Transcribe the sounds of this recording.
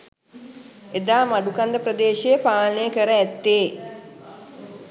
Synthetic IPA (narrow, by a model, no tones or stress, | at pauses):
ed̪aːmaɖukand̪əpɾəd̪eːʃejəpaːlnəjəkəɾəæt̪ːeː